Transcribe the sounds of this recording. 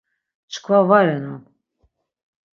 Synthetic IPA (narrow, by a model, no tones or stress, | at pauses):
t͡ʃʰkʰvavaɾɛnan